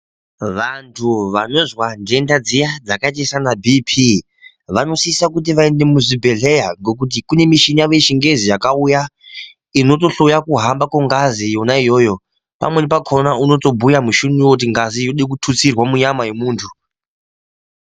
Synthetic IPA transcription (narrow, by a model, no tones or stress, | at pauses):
ʋantʰuʋano̞zwande̞ndad͡zijad͡zakataisanabʱipʰi | ʋano̞siːsakut̬iʋae̞nde̞muʐibʱe̞ɮe̞jaɡo̞k̬ut̬ikune̞miʃiɲaʋe̞ʃiŋɡe̞zijakauja | ino̞to̞ɬo̞jakuɦambakoŋɡazijo̞naijo̞ːjo̞ | pa̰mwenepakʰo̞nauno̞to̞bʱujamuʃunuwokut̬iŋɡazijoɗek̬utʰut͡sirwamuɲamaje̞muːntʰu